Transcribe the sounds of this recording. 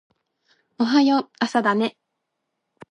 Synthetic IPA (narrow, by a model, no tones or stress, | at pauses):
oɦajoasad̪ane̞